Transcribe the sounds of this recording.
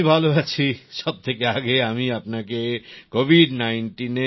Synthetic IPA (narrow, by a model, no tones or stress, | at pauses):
ibʱaloat͡ɕʰiʃɔb̚t̪ʰekeaɡeamiapnakekobʱiɖnajɳʈine